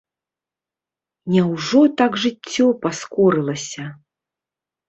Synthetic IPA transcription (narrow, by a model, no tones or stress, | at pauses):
nʲawʐɔt̪aɡʐɨtt͡sʲːɔpaskɔɾɨlˠɐsʲɐ